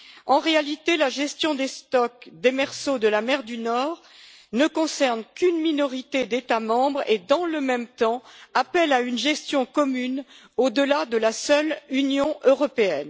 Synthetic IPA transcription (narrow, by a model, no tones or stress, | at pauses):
ɑ̃ʁealit̪elaʒɛst̪jɔ̃d̪est̪ɔk̚d̪emɛʁsod̪əlamɛʁd̪ynɔːʁ | nəkɔ̃sɛʁnkynminɔʁit̪ed̪et̪amɑ̃bʁed̪ɑ̃ləmɛmt̪ɑ̃apɛlaynʒɛst̪jɔ̃kɔmyn | od̪əlad̪əlasœlynjɔ̃ʔøʁɔpeɛn